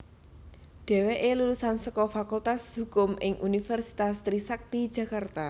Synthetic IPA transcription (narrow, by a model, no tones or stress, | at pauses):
ɖ̥ɛ̤weʔelulusansəkɔfakult̪asɦṳkʊmʔɪŋʔunifɛrsi̥t̪ast̪ɾisak̚t̪id̥ʒ̥ä̤kart̪a